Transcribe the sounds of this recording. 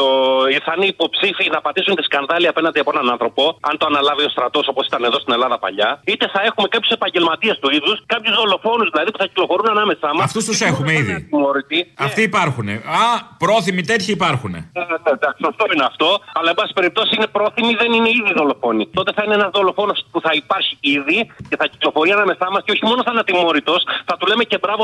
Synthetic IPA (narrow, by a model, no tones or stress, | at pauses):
t̪oiθɐiniːpo̞psifinɐpɐt̪isunt̪i̥skɐnðɐliɐpe̞nɐnd̪iɐpoenɐnɐnθɾo̞po̞ɐ̰nt̪oɐnɐlɐvio̞st̪ɾɐt̪o̞so̞posi̥t̪ɐneðo̞st̪ine̞lɐðɐpɐ̰ʎɐit̪e̞θɐe̞xume̞kɐpçu̥se̞pɐɲɟelmɐt̪iɐst̪uiðuskɐpçuzðo̞lo̞fo̞nuzðilɐðipuθɐci̥klo̞fo̞ɾunɐnɐme̞sɐmɐft̪ust̪usexumeiðḭmoɾit̪iɐft̪iːpɐɾxune̞̰ɐpɾo̞θimit̪et̪çɐipɐɾxune̞̰ned̪ɐksɐft̪oineɐft̪o̞ɐlɐebɐsi̥spe̞ɾip̚t̪o̞sisinepɾo̞θimiðe̞nineiðiðo̞lo̞fo̞nit̪o̞t̪e̞θɐineenɐzðo̞lo̞fo̞no̞spuθɐipɐɾçiiðiceθɐci̥klo̞fo̞ɾiɐnɐme̞sɐmɐsceo̞çimo̞nosθɐnɐt̪imo̞ɾit̪o̞sθɐt̪ule̞me̞ce̞bɾɐvo